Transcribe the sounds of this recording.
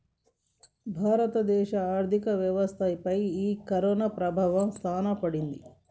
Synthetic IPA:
bʱaːɾɐt̪ɐd̪ɛːʃɐaːɾd̪ʱikɐʋjɐʋɐst̪ʰɐːjpɐjiːkɐɾɔːnɐpɾɐbʱaːʋɐmst̪ʰaːnɐpɐɽind̪i

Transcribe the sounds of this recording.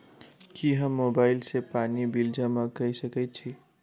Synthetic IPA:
kiɦəmːobaɪlsepanibild͡ʒəmakəjsəkɛt̪̚t͡ʃʰi

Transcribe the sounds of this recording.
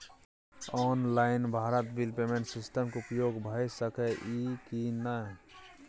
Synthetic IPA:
ɔːnlaɪnbʱaːɾət̪̚bilpeːmẽɳʈsɪsʈəmkeʊpjoːɡbʱajsəkɛʔikina

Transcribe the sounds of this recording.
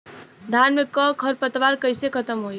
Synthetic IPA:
d̪ʱanmekəkʰəɾpət̪ʋaɾkəɪsekʰət̪əmɦoj

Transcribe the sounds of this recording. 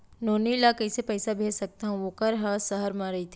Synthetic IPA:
noːnilakɐɪsepɛɪsabʱeːd͡ʒsɐk̚t̪aɦũʋokɐɾɦasɐɦəɾmãɾɐit̪ʰi

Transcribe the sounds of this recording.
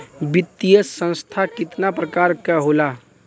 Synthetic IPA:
bɪt̪ːijəssə̃nst̪ʰakɪt̪napɾəkaːɾkɛɦoːla

